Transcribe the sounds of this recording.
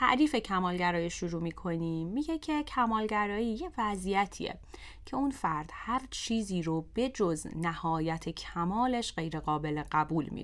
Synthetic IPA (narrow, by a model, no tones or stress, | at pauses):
t̪ʰæ̰ʔɾiːfe̞cʰæmɒːlɟæɾɒːjiʃuɾuːmiːkʰo̞niːmːiːɟe̞cʰe̞cʰæmɒːlɟæɾɒːjiːjevæzijæt̪ʰḭjḛ | cʰe̞unfæɾd̪̥hæɾt͡ʃʰiːziːɾob̥e̞d͡ʒoznæhɒːjæt̪ʰe̞cʰæmɒːle̞ʃɢe̞jɾe̞ɣɒːbe̞leɢæbuːlmḭ